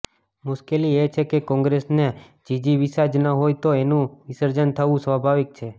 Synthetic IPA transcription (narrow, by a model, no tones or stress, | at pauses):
mʊʃkeliet͡ʃʰekekɔ̃ŋɡɾesne | d͡ʒid͡ʒiʋisad͡ʒnəɦojt̪oenũʋisəɾd͡ʒənt̪ʰəʋũsʋəbʱaʋik̚t͡ʃʰe